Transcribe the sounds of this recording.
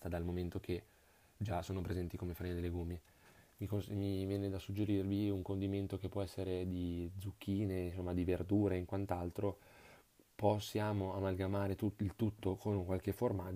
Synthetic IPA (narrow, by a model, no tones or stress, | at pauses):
t̪ad̪almoment̪okʰe | d͡ʒasoːnopɾezɛnt̪ikomefaemed̪elːeɡomje | mikosmivjɛːned̪asud͡ʒːeɾirviuŋkond̪iment̪okepːwɔɛsːeɾed̪id̪zuk̟ːiːnesomːad̪iverd̪uːɾeiŋkwant̪alt̪ɾo | posːjaːmoamalɡamaːɾet̪uilt̪ut̪ːokʰonkwalk̟eforma